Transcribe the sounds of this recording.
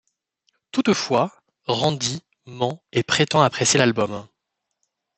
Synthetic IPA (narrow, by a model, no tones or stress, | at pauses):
t̪ut̪fwa | ʁɑ̃d̪i | mɑ̃epχet̪ɑ̃apχesjelalbɔm